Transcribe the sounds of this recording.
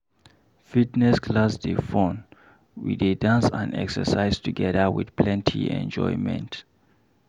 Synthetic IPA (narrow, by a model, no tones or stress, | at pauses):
fitnɛskʰlasdefõn | wḭdedãnsã̰nɛ̰ksə̰saɪztʰuɡɛðəwḭðpʰlɛ̃ntʰiɛ̰̃nd͡ʒɔ̰jmɛ̰̃nt